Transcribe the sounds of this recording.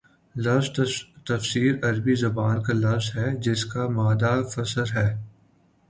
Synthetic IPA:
lɐfzt̪ɐfsiːɾɐɾbizɐbaːnkalɐfzɦɛd͡ʒɪskamaːd̪afɐsəɾɦɛː

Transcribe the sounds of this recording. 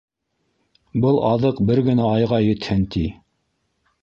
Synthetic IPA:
bɤlˠɑðɤqbɘɾɡɘ̆næɑjʁɑjɵ̆t̪hɘnt̪i

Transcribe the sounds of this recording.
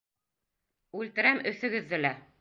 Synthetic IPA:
ʉlt̪ɘ̆ɾæmɵ̆θɵ̆ɡɘ̆ðːɘlæ

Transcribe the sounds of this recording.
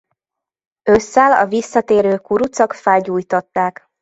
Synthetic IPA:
øsːalɒ̰visːɒt̪eːɾøːkuɾut̪sɒkfɛlɟuːjt̪ɒt̪ːaːk

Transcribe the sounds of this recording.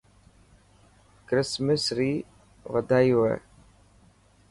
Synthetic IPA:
kɾɪsmɪsɾiː | ʋəd̪ʱaːiːɦoḛː

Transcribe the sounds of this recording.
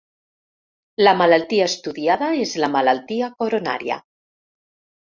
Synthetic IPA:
lamalalt̪iaest̪uðjaðaezlamalalt̪iakoɾona̰ɾja̰

